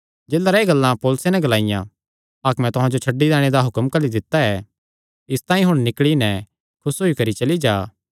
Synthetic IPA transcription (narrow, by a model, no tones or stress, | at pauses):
d͡ʒeːlaɾaeɡɐlːãpoːlʊsenɛ̃ɡɐlaːɪjã̰ | akmɛ̃t̪ʊɦãd͡ʒot͡ʃʰɐɖːid̪ɛːɽ̃ed̪aɦʊkəmkɐlid̪ɪt̪ːaɛ | ɪst̪ãːĩɦʊɽ̃nɪkɭinɛ | kʰʊsɦoːikɐɾit͡ʃɐlid͡ʒaː